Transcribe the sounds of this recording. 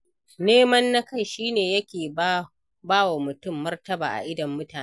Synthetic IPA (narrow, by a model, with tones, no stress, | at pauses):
neː˦mɐ˦nːa˦ka˦˨ʃiː˦neː˨jɐ˦kʲeː˨ | baː˦wa˨mʊ˨tʊ˦˨mːɐ˦rtɐ˦ba̰ː˨ʔa̰˨ʔɪ˦dɐ˨mːʊ˦taː˨ne˦